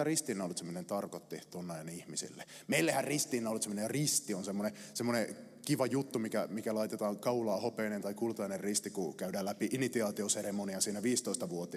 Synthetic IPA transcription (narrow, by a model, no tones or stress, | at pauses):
ɑrist̪inːæolːit̪semːonent̪ɑrkot̪ːit̪uonːɑjɑnihmisḭlːḛ | meilːehærrist̪iːnːæolut̪semːonerist̪ionsemːonesemːone | kiʋɑjut̪ːumikæ̰mikælɑit̪et̪ɑːŋkɑulɑːhopeːnent̪ɑikult̪ɑinerrist̪ikukæydæːlæpiʔinit̪iɑːt̪ioseremoniɑsiːnæʋiːst̪oist̪ɑʋuot̪i